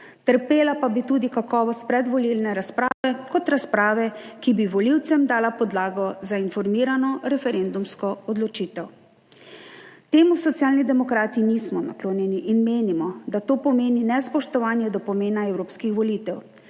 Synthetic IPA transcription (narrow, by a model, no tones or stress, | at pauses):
t̪əɾpeːlapabit̪uːd̪ikakɔːʋɔst̪̚pɾɛd̪ʋɔlilnɛɾaspɾaːʋɛkɔt̪ɾaspɾaːʋɛkibiʋɔliwt̪sɛmd̪aːlapɔd̪laːɡɔzainfɔɾmiːɾanɔɾɛfɛɾend̪umskɔɔd̪lɔt͡ʃiːt̪ɛw | t̪eːmusɔt̪sjaːlnid̪ɛmɔkɾaːt̪iniːsmɔna̰kloːnjɛniʔinmeːnimɔd̪at̪oːpɔmeːninɛspɔʃt̪ɔʋaːnjɛd̪ɔpɔmeːnaɛwɾoːpskixʋɔlit̪ɛw